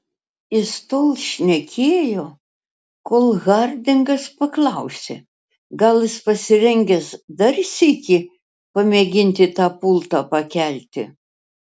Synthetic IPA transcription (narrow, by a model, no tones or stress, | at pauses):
ɪst̪oːlˠʃʲnʲɛkʲeːjoː | koːlˠɣɐɾʲd̪ʲɪŋɡɐspɐklˠɐʊsʲe | ɡɐlˠɪspɐsʲɪɾʲɛŋʲɡʲɛsd̪ɐɾʲsʲiːkʲi | pɐmʲeːɡʲɪnʲt̪ʲɪt̪ɑːpʊlˠt̪ɑpɐkʲælʲt̪ʲɪ̰